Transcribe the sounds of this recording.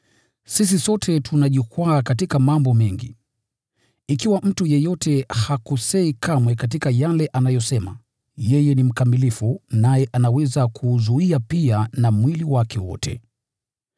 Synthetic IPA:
sis̬isɔtʰɛtʰunaʄukwaːkatikamambɔmɛŋɡḭ | ikiwam̩tujɛjɔtɛhakusɛikʰamwɛkat̬ikajalɛʔanajɔsɛma̰ | jɛjɛnim̩kamilifunajɛʔanawɛzakʰuzuiapianamwiliwakɛwɔ̰tʰɛ̰

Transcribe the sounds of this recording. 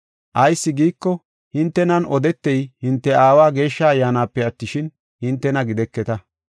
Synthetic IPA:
ʔɐjsːɪɡiːkːɔ | hɪnt̪ːɛnɐnɔd̪ɛt̪ːɛjhɪnt̪ːɛaːwaːɡe̞ːʃːɐɐjːaːnaːpːɛɐt̪ːɪʃɪn | hɪnt̪ːɛnɐɡɪd̪ɛkːɛt̪ɐ

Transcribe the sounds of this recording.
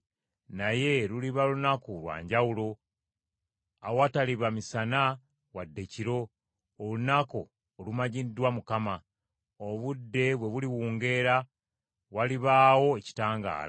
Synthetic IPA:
naje̞ɾuliβalunakulwa̰ːɲɟawulo̞ | awwataliβamisana | wadːe̞ciɾo̞ː | lunako̞ː | lumaɟidwamukama | oβudːe̞βwe̞βuliwuːŋɡe̞ɾa | waliβaːwo̞eci̥taːŋɡa̰ːɾa

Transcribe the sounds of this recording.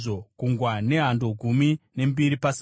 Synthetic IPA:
o̞kuŋɡwane̞ɦando̞ɡʱumine̞mbiɾipas

